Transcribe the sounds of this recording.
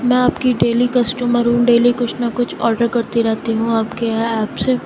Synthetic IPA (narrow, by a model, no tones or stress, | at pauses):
mɛ̃aːpkiɖeːlikɐsʈuːməɾɦũɖeːlikʊt͡ʃʰnakʊt͡ʃʰɔːɾɖəɾkɐɾt̪iɾɛɦt̪iɦũaːpkeɛːpse